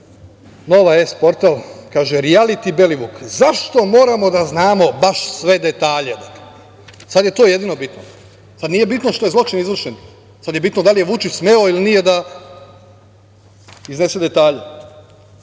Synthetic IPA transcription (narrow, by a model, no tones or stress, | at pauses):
no̞ʋaespo̞ɾt̪alkaːʒeɾialit̪ibe̞liʋukzaʃt̪o̞mo̞ːɾamo̞d̪aznaːmo̞baʃsʋe̞d̪e̞t̪aːʎed̪ake | sad̪je̞t̪oːje̞d̪ino̞bit̪no | sad̪nije̞bit̪noʃt̪oj̪lˠo̞t͡ʃinizʋr̩ʃen | sad̪jebit̪nod̪alije̞ʋut͡ʃismeoilinije̞d̪a | izne̞sed̪e̞t̪aːʎe